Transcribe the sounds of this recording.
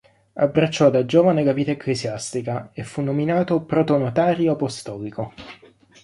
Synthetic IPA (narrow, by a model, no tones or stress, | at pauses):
abːɾat͡ʃːɔd̪ad͡ʒoːvaneɡavit̪aekːlesjast̪ikaefːunːominaːt̪opɾot̪onot̪aːɾjoapost̪ɔːliko